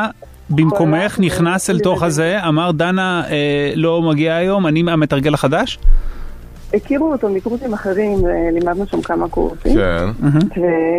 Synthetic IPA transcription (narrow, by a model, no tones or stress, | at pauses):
bimko̞me̞χniχnaselt̪o̞χhazeamaʁd̪anaelo̞maɡiaːjo̞manimame̞t̪aʁɡelaχadaʃ | ekiʁuot̪omikʁut̪imaχeʁimelimad̪nuʃamkamakṵʁsḭmen̩ɦ̩ve